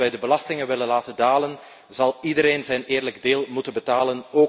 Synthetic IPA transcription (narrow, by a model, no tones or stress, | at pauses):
ɛjdəbəlɑstɪŋənʋɪlənlaːtəndaːlən | zɑlˠidəɾeːnzɛjneːrləɡdeːlˠmutənbətaːlənoː